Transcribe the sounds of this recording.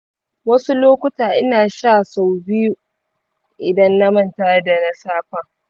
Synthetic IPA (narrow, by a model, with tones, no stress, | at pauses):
wɐ˦su˦loː˦kʷʊ˦taː˨ʔɪ˦naː˨ʃa˦˨sa˨wbɪ˦ju˦ | ʔɪ˨dɐ˦nːɐ˦mɐ˦˨ntaː˦da˨na˦saː˦ɸaː˨